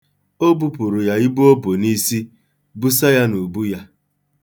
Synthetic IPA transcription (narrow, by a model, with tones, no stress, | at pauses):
o˦bu˦pʊ˨ɾʊ˨ja˨i˦bu˦o˦bo˨ni˦si˦ | bu˦sa˦ja˦nu˨bu˦ja˦